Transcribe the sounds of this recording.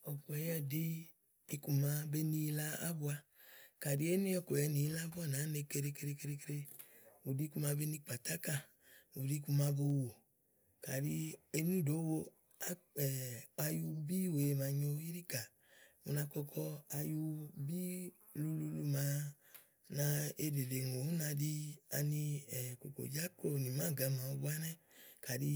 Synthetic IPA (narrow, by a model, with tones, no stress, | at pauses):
ɔ˨ku˨ɛ˨jɛ˦˨diː˦˧ | ku˧˨ma˧be˦ni˧˦la˧a̰˦bu˧a˧ | ka˨di˨˦e˦ni˦ɔ˧˨kɛ˨jɛ˨˦ni˨˦la˦bu˦a˦˨na˨˦ne˧ke˧ɾe˧ke˧ɾe˧ke˧ɾe˧ke˧ɾe˧ | u˨di˦ku˧ma˧be˦ni˧k͡pa˨ta˦ka˦˨ | u˨di˦˧ku˧ma˧bo˧˨wo˨ | ka˨ɾi˧e˧nu˦˨do˨˦wo˧ | a˦ɛ˨a˧ju˧bi˦˨we˨ma˨˧ɲo˧i˦ɾi˦ka˨ | mu˧na˧kɔ˧kʰɔ˧a˧ju˧bi˦ | lu˧lu˧lu˧ma˨˦ | na˧e˧de˨le˨ŋ˨o˨u˦na˧di˧a̰˧ni˧ɛ˨ko˨ko̰˨d͡ʒa˦ko˦˨ni˨mã˨˦˨ɡa˧˦ma˨o˧bu˦a˦nɛ˦ka˨di˧